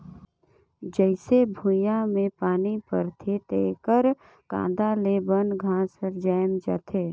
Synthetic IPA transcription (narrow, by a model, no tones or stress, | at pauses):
d͡ʒəɪsebʱujãmẽpaːnipəɾt̪ʰet̪ḛːkəɾ | kã̰ːd̪aleːbənɡʱãːsəɾd͡ʒajmd͡ʒa̰ːt̪ʰeː